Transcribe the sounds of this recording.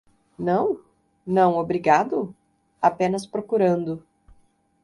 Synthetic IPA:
nɐ̃w̃ | nɐ̃w̃obɾiɡad̪ʊ | apẽnɐspɾokuɾɐ̃nd̪ʊ

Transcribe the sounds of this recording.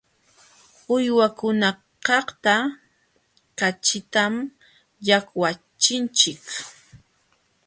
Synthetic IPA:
ʊjwakʊna | kɑχt̪a | kat͡ʃɪt̪am | jakwa | t͡ʃɪnt͡ʃɪk

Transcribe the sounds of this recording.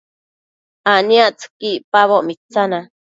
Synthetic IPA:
aniaʔt͡skipaβoʔmit͡sana

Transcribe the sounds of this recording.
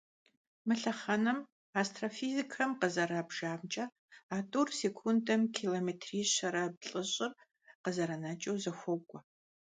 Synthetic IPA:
mɨɬɐχɐnɐm | aːstʰrofiːzikʰɐmqəzɐɾɐbʒaːmt͡ʃʼɐ | aːtʼursekʷʰundɐmkʰiːloːmeːtʰriːɕɐɾɐb̚ɬʼɨɕʼɪr | qəzɐɾɐnɐt͡ʃʼɐwzɐxʷɔkʷʼɔ

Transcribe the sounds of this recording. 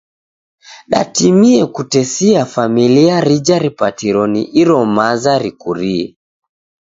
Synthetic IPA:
ɗa̰timiɛkutɛsiafamiliaɾid͡ʒaɾipatiɾɔniʔiɾɔmazaɾikuɾiɛ̰

